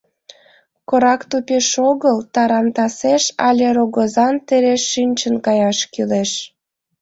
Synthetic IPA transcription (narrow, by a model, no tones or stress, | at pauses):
koɾɑkt̪upʲeʃoɣəlt̪ɑɾɑmt̪ɑseʃɑlʲeɾoɣozɑnt̪eɾeʃːynʲt͡ɕənkɑjɑʃkyleʃ